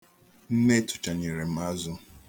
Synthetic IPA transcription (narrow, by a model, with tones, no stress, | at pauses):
n̩˦ne˦tʊ̥˨t͡ʃa˨ɲe˨ɾe˨m̩˦a˦zʊ˦